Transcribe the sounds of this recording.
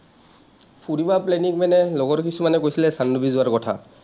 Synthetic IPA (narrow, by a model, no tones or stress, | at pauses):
pʰuɹibaplɛnikmɛnɛloɡɔɹkisumanɛkojsilɛsanːubizʊaɹkɔtʰa̰